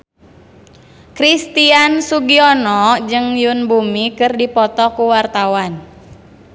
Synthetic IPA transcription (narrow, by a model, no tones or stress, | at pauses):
kɾist̪iansuɡiɔnɔd͡ʒɨŋjunbumikɨrdipɔt̪ɔkuwart̪awan